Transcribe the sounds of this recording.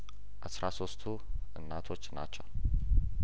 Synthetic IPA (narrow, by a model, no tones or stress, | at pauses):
ʔasɾaso̞st̪ʰu | ʔɨnːat̪ʰo̞t͡ʃːna̰t͡ʃːɛw